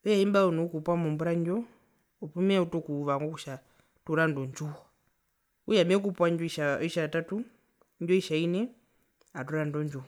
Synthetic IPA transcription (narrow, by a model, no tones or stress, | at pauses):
ɔjaimbaɔnuukupwamumbuɾaɲd͡ʒɔ | ɔpumɛautɔkuʋaŋɡɔkuʃa | tuɾandɔnd͡ʒua | ujamɛkupwaɲd͡ʒɔiʃaiʃatatu | ɲd͡ʒɔiʃainɛ | atuɾandɔnd͡ʒu